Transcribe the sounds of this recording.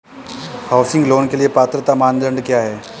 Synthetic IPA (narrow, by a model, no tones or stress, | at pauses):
hawsɪ̃ŋɡloːnkeliepaːt̪ɾət̪amand̪ʱəɳɖkjaɦɛː